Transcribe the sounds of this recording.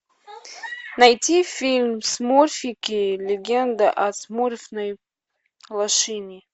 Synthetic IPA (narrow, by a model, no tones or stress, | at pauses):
najtʰifilʲmsmurfʲikʲilʲeɡʲend̪aʔasmurfnaj | lˠaʂɨnʲi